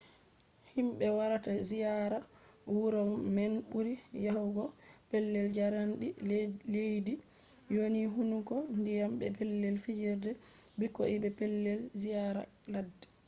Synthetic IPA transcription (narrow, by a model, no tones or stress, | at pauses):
himɓɛwaɾatazijaɾa | wuɾɔmenbuɾijahuɡɔpɛlːɛld͡ʒaɾanɗilejdi | joniɦunukɔndijambɛpɛlːɛlfid͡ʒiɾdɛbikːɔ̰ʔibɛpɛlːɛlzijaɾa̰ | ladːɛ